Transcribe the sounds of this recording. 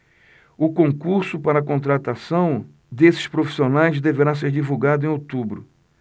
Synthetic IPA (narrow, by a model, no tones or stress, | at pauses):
ʊkõŋkuɾsʊpaɾɐkõnt̪ɾat̪asɐ̃w̃ | d̪esɪ̥ʃpɾofi̥sionajzd̪eveɾas̬eɾd͡ʒivuɡad̪ʊẽj̃ot̪ubɾʊ